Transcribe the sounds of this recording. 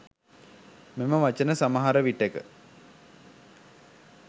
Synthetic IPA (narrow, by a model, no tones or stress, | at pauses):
meməʋat͡ʃənəsaməɦaɾəʋiʈːekə̰